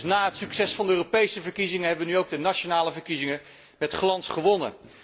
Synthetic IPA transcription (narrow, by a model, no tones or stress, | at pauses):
naːɦətsyksɛsfɑndəøːropejsəvəɹkizɪŋəɦɛbəʋənyowɡ̚dənat͡ʃonaːləvəɹkizɪŋə | mɛtχlɑnsχəʋɔnə̰